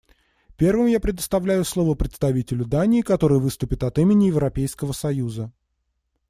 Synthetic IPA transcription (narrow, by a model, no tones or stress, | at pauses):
pʲe̞rvɨmjapɾʲɪd̪əst̪ɐvlʲæjʊslˠo̞vəpɾʲɪt̪st̪ɐvʲitʲɪlʲʊd̪anʲɪːkɐt̪o̞ɾɨjəvɨst̪ʊpʲɪt̪ɐt̪imʲɪnʲɪjɪvɾɐpʲejskəvəsɐjuzə